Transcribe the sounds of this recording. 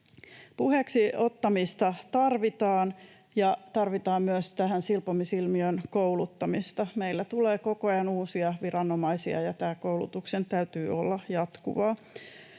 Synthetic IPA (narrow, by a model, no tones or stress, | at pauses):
puheksiot̪ːɑmist̪ɑt̪ɑrʋit̪ɑːn | jɑt̪ɑrʋit̪ɑːmmyøst̪æhænsilpomisilmiønkoulut̪ːɑmist̪ɑmeilːæt̪uleːkokojɑnuːsiɑʋirɑnːomɑisiɑ̰jɑt̪æːkoulṵt̪uksent̪æyt̪yːolːɑjɑt̪kṵʋɑː